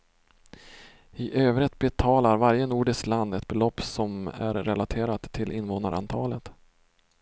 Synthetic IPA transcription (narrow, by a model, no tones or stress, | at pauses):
ɪʔøːvɾɪt̪bɛt̪ʰɑːlaɾvaɾjənuːɖɪskland̪ɛt̪̚bɛlɔpːsɔmæ̰ɾːɛlat̪ʰeːɾat̪ʰːɪlʔɪnvoːnaɾʔa̰nt̪ʰɑːlət̪